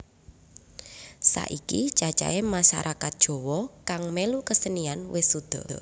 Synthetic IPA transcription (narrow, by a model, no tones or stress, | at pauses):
sa̰ʔikit͡ʃat͡ʃa̰emaʃaɾʔakat̪̚d̥ʒ̥ɔ̤wɔkaŋmelukəsənianwɪsud̪̥ɔ̤